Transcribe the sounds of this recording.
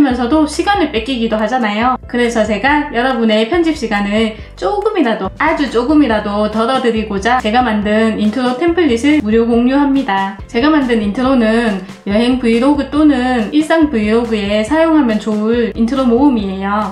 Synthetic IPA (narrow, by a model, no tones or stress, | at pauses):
mjʌnsʰʌdoɕʰiɡanɯɭp͈ek͈iɡidoɦad͡ʑanajokɯɾe̞sʰʌt͡ɕe̞ɡajʌɾʌbune̞pʰjʌnd͡ʑip̚ɕ͈iɡanɯɭ | t͡ɕ͈oɡɯmiɾadoad͡ʑut͡ɕ͈oɡɯmiɾadotʌɾʌdɯɾiɡod͡ʑat͡ɕe̞ɡamandɯnintʰɯɾotʰe̞mpʰɯʎːisʰɯɭmuɾjoɡoŋɲuɦamɲidat͡ɕe̞ɡamandɯnintʰɯɾonɯn | jʌɦe̞ŋpɯiɾoɡɯt͈onɯniɭs͈aŋpuiɾoɡɯe̞sʰajoŋɦamjʌnt͡ɕoɭintʰɯɾomoɯmie̞jo